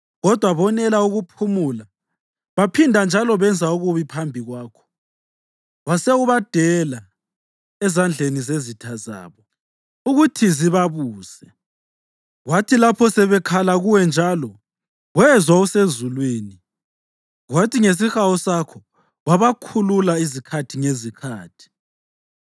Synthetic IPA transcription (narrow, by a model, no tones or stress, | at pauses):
ɣɔd̥ʱwaβɔnɛlauɣupʰumula | βapʰindʱand͡ʒʱalɔβɛnd͡zʱauɣuβipʰambʱiɣwaːkʰɔ̥ | ɣwasɛuβad̥ʱɛla | ɛzand͡ɮʱenizezitʰaza̰ːβɔ | uɣutʰiziβaβuːsɛ | ɣwatʰilapʰɔsɛβɛkʰalaɣuwɛnd͡ʒʱalɔ | ɣwɛzwausezulweːni | ɣwatʰiŋes̬ixawɔsakʰɔ | ɣaβakʰululaizikʰatʰiŋezikʰa̰ːtʰi̥